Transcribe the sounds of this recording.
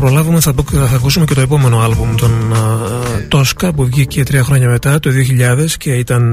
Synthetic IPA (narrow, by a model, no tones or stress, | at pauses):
pɾo̞lɐvumeθɐpoθɐkusume̞ce̞t̪oepo̞me̞no̞ɐlbumt̪o̞n | t̪o̞skɐpuvʝicet̪ɾiɐxɾo̞ɲɐme̞t̪ɐt̪o̞ðioçiʎɐðe̞sce̞it̪ɐn